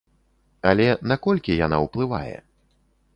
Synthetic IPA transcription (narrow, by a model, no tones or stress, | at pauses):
alʲɛnakɔlʲkʲijana̰wplˠɨva̰jɛ̰